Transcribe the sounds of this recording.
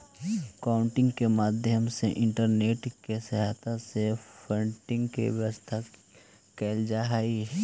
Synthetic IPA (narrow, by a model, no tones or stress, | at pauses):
kaːʊ̃ɳʈɪ̃ŋɡkemaːd̪ʱjəmseʔɪ̃ɳʈəɾneːʈkesəɦaːt̪ʰasepʰəɳʈɪ̃ŋɡkḛʋjəʋəst̪ʰa | keːld͡ʒaːɦi